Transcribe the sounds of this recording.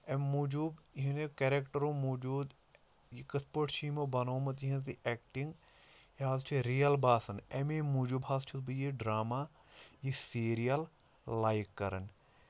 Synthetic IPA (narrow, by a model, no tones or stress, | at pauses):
emuːd͡ʒuːbɦinekeɾekʈɐɾõːmuːd͡ʒuːd̪ | jikɐspəʈʃiːmobɐnoːmɐt̪iɦɐ̃ziʔɛːkʈĩŋɡ | jaːzt͡ʃʰiɾijɐlbaːsɐnemeːmuːd͡ʒubɦaːst͡ʃʰut̪bɨjiɖɾaːmaː | jisiːɾijɐl | laːjikːɐɾɐ̰n